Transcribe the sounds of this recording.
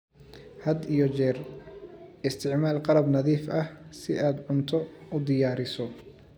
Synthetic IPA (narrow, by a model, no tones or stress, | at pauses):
hɐd̪ijɔt͡ʃɛːr | ɪst̪ʰɪʕmaːlqɑɾɐbnɐðiːfɐhsɪʔaːd̪ʕʊnt̪ʰɔʊd̪ɪjaːɾɪsɔ